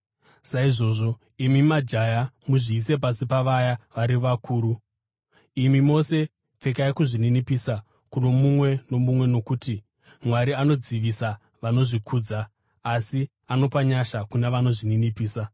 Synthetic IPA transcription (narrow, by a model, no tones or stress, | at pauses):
saiʐo̞ːʐo̞ | imimad͡ʒajamuʐiːs̬e̞p̬asipaʋajaʋaɾiʋakʰuːɾu | imimo̞se̞ | p͡fe̞kaikuʐininipiːsa | kuno̞mumwe̞no̞mumwe̞no̞kuːti | mwaɾiano̞d͡ziʋisa | ʋano̞ʐikʰuːd͡zaː | si | ano̞paɲaʃakuneʋano̞ʐininipiːsa